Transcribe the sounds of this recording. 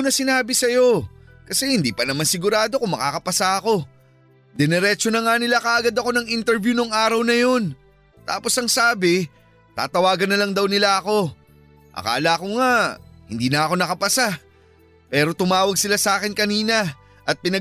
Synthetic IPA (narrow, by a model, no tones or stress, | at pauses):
nɐsɪnaːbɪsɐjo̞ | kɐsɛhɪnd̪iːpɐnɐmansɪɡʊɾaːd̪o̞kʊŋmɐkaːkɐpɐsaʔɐko̞ | d̪ɛnɛɾɛt͡ʃonɐŋanɪlakɐʔɐɡad̪ɐko̞nɐŋint̪ɛɾvjunoŋʔaːɾɐwnɐjo̞n | t̪a̰ːpo̞sɐŋsaːbɪ | t̪a̰ːt̪ɐwaːɡɐnːɐlɐŋd̪ɐwnɪlaɐko̞ | ʔɐ̰ka̰ːlɐɐko̞ŋahɪnd̪iːnɐɐko̞nɐkɐpɐsa | pɛːɾo̞t̪ʊmaːwɐɡ̚sɪlasaːkɪnkɐniːnɐ | ʔɐt̪̚pɪnɐ